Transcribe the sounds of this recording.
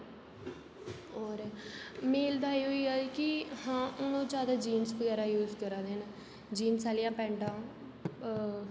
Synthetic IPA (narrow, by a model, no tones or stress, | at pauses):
oːɾemeːld̪aːiɦoːiːaːkɪhãːʔʊnõːd͡ʒaːd̪aːd͡ʒiːnsʋəɡɛːɾaːjuːzkəɾãːd̪enː | d͡ʒiːnsaːlɪjãːpɛ̃ːɳʈãː